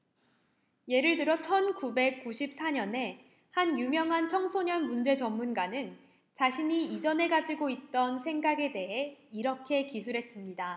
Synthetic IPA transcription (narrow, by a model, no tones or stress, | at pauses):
je̞ɾɯɭtɯɾʌt͡ɕʰʌnkube̞k̚k͈uɕʰip̚s͈ʰaɲʌne̞ | hanjumjʌŋɦant͡ɕʰʌŋsʰoɲʌnmund͡ʑe̞t͡ɕʌmːunɡanɯn | t͡ɕaɕʰiɲiːd͡ʑʌne̞ɡad͡ʑiɡoit̚t͈ʌnsʰe̞ŋɡaɡe̞de̞ɦe̞iɾʌkʰe̞kisʰuɾɦe̞s͈ɯmɲida